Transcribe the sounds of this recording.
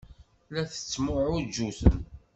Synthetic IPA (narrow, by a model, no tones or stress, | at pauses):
læθə̥t͡sːmʊʕʊd͡ʒuθə̰n